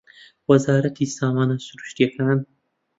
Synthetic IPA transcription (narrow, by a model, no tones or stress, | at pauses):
wɐzɑːɾat̪ʰisɑːmɑːnasuɾuʃt̪iakʰan